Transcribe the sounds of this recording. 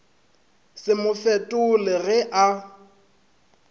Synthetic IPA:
sɪmʊfɛtʼʊlɪɣɛʔa

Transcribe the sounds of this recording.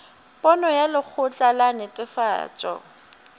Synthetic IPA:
pʼɔnɔjalɪk͡xʰʊt͡ɬʼalanɪtʼɪfa̰ːt͡ʃʼɔ̰

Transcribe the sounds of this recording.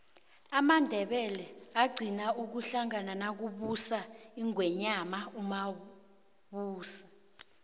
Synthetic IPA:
amandʱɛɓɛlɛaɡ͡ǀʱinauk̬uɬaŋananak̬uɓusaiŋɡʱwɛɲamauma | ɓuːsi̥

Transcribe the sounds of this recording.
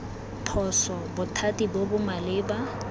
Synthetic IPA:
pʰɔsɔbʊtʰatʼibobʊmalɪːba

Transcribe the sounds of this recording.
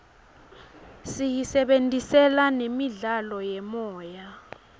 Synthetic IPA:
sijisɛɓentʼisɛlanemiɮalɔjɛmɔːja

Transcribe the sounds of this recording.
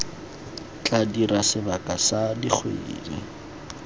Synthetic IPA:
t͡ɬʼadiɾasɪbakʼasadik͡xʰwḛḭːlɛ

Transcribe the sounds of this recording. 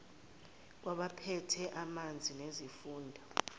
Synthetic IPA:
k̬waɓapʰɛtʰɛʔamand͡zʱinezifuːndʱɔ

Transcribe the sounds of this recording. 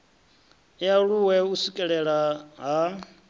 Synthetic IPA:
jaɺuwɛusukʼɛɺɛɺaɦa

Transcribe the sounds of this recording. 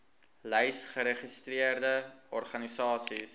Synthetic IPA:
lɛjsχəɾeχistriərdəʔɔrχɐnisɑːsis

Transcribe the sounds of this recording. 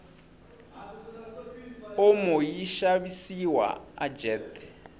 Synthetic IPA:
ʊmʊjiʃaβisiwa̰a̰d͡ʒɛːt̪

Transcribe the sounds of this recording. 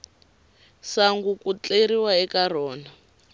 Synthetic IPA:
saŋɡukut͡ɬeɾiwaɛkarɔːna

